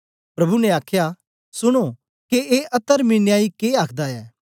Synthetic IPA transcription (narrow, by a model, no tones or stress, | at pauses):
pɾɐbʱunɛ̃aːkʰja | sʊɽ̃o | keeʔɐt̪ːəɾmɪnjaːikeaːkʰd̪aɛː